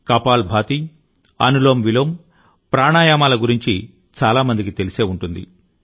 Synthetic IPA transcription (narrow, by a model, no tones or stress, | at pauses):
kɐpaːlbʱaːt̪i | ɐ̰nuloːmʋilom | pɾaːɳaːjaːmaːlɐɡuɾiɲt͡ʃi | t͡ʃaːlaːmɐnd̪ikit̪e̞liseːuɳʈund̪ḭ